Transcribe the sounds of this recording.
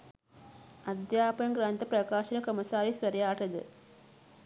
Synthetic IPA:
ɐd̪jaːpɐjɐŋɡɾaːnt̪ːɐpɾɐkaːʃɐnɐkɐmɐsaːɾisʋɐɾɐjaːʈɐðɯ̰

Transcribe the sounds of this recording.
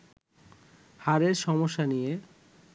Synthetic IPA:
haɾeɾʃɔmoʃːanije

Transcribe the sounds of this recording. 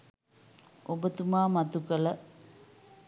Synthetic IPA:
obət̪umaːmat̪ukələ

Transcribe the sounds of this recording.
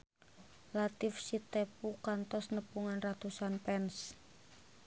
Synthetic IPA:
lat̪ifsit̪epukant̪ɔsnəpuŋanrat̪usanpɛns

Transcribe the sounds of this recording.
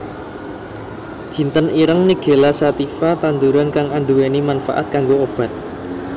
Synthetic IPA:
ʒ̥i̤nt̪əniɾəŋniɡ̥e̤lasat̪ifat̪and̪uɾankaŋand̪uwenimanfa̰ʔa̰t̪̚kaŋɡoob̥a̤t̪̚

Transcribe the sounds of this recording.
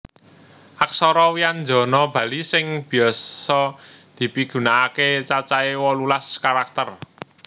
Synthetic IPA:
ʔaksɔɾɔwiand͡ʒɔ̤nɔb̥a̤lisɪŋb̥i̤jɔssɔd̪̥i̤piɡ̥ṳnaːket͡ʃat͡ʃaewɔlulaskaɾak̚t̪ər

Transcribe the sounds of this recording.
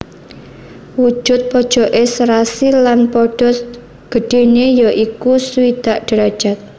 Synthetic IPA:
wu̥ʒ̥ʊt̪̚pɔd̥ʒ̥ɔ̤ʔesɾasilanpɔɖ̥ɔ̤s | ɡ̥ə̤ɖ̥e̤nejɔʔikusuid̪̥aʔɖ̥əɾḁʒ̥at̪̚

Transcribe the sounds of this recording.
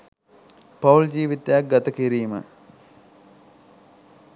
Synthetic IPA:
pauld͡ʑiːʋit̪ejak̚ɡat̪əkiɾiːmə̰

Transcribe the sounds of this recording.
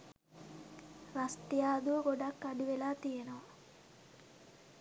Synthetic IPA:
rasʈijaːd̪uʋəɡoɖakːaɖiʋelaːt̪ijenoʋa

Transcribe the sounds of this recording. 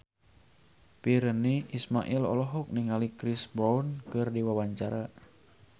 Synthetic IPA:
piɾəniismaʔilɔ̰lɔɦɔk̚niŋalikɾisbɔunkɨrdiwawaɲt͡ʃaɾa

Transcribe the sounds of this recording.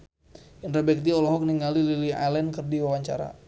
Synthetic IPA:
inrabɛk̚d̪iɔlɔɦɔk̚niŋalililia̰lɛnkərdiwawaɲt͡ʃa̰ɾa̰

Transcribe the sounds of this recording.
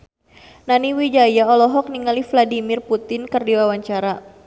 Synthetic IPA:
naniwid͡ʒajaɔlɔɦɔk̚niŋalifladimɪrput̪ɪnkərdiwawaɲt͡ʃaɾa

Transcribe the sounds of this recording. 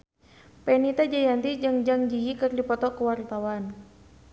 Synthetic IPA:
pɛnit̪ad͡ʒajant̪id͡ʒɨŋd͡ʒaŋd͡ʒijikərdipɔt̪ɔkəwart̪awan

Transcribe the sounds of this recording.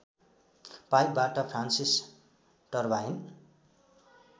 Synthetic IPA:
pajk̚baʈʌpʰransis | ʈʌrbain

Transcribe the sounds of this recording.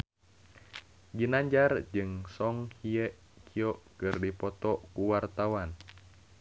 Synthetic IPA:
ɡinaɲd͡ʒard͡ʒɨŋsɔŋhijɛʔ | kʰiɔʔkɨrdipɔt̪ɔkuwart̪awan

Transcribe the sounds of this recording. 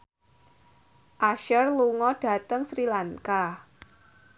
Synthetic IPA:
ʔaʃərluŋɔɖ̥ä̤t̪əŋsɾilaŋka

